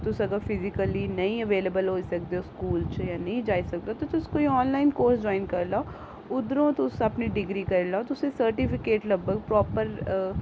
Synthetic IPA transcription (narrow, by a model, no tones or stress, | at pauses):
t̪ʊsəɡəɾpʰɪzɪkəliːnəĩəʋeːlebəlɦoːisək̚d̪eoːskuːlt͡ʃjãːnəĩd͡ʒaːisək̚d̪eoːt̪ot̪ʊskoːiɔːnlaːɪnkoːɾsd͡ʒɔːɪnkəɾlaː | ʊd̪ɾõːt̪ʊsəpniɖɪɡɾiːkəɾlaot̪ʊsẽsəɾʈipɪkeːʈləbəɡ̚pɾɔːpəɾ